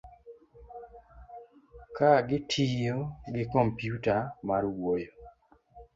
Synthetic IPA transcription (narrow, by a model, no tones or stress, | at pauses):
kaɡɪtʰijoɡɪkɔmpjutamaɾwojo